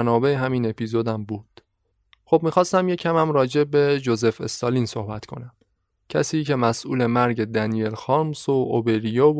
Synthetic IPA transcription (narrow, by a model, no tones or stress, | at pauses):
nɒːbe̞eɦæmiːne̞pʰiːzod̪æmbuːd̪̥ | χob̥̚miːxɒːst̪æmje̞cʰæmæmɾɒːd͡ʒe̞be̞d͡ʒo̞ze̞fḛst̪ɒːliːnso̞hbæt̪kʰo̞̰næm | cʰæsiːcʰe̞mæsʔṵːle̞mæɾɟe̞d̪ænijelxɒːɾmsoʔobeɾijɒː